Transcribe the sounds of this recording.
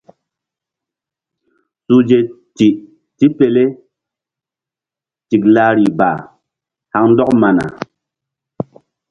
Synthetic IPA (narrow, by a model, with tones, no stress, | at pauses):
su˦d͡ʒe˨ | ti˨ʔ | ti˦pe˨le˦ | ti˨k̚la˦ɾi˨ba˨ | ha˦ŋn̩˦dɔ˦k̚ma˨na̰˨